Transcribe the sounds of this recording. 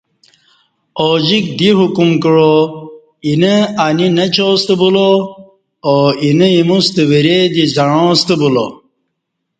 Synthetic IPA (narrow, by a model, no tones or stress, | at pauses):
od͡ʑik̚d̪iɦukumkɻo | inəaninɐt͡ɕost̪əbulo | oinəimust̪əwiɾed̪izɐɻõːst̪əbulo̰